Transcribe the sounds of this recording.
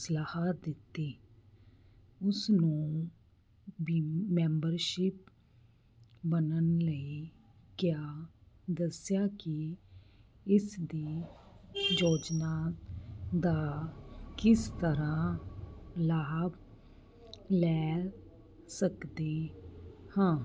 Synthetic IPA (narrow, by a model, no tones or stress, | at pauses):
slaːhad̪ɪt̪ːeː | ʊsnũː | bmɛ̃ːmbəɾʃɪp̚ | bənənləiː | kjaːd̪əsjaːkɪ | ɪsd̪iː | joːd͡ʒnaːt̪d̪aːkɪst̪əɾãː | laːb | lɛː | səkd̪eː | hãː